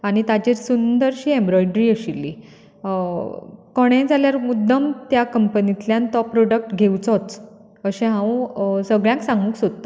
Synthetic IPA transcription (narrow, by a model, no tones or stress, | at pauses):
aɽ̃it̪at͡ɕiɾsund̪əɾɕiːẽmbɾɔjɖɾiːəɕilːiː | kɔɽ̃ẽd͡zaljaɾmud̪ʱːəmt̪jakəmpənit̪ljãnt̪ɔpːɾoɖək̚ʈɡʱewt͡sɔt͡s | əɕɛ̃ɦãw̃səɡɭjãŋksãŋɡũːksod̪t̪a